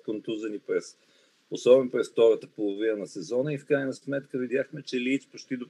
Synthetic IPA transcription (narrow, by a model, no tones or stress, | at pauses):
kont̪uzənipɾɛs | osɔbɛnopɾɛsft̪ɔɾət̪əpolˠovinənɐsɛzɔnəifkɾajnɐsmɛt̪kəvid̪ʲjaxmɛt͡ʃɛliːt̪spot͡ʃt̪id̪o